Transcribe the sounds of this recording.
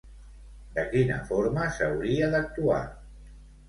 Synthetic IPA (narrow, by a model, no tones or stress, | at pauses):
d̪əkinə̰foɾməsəwɾiəðək̚t̪ua̰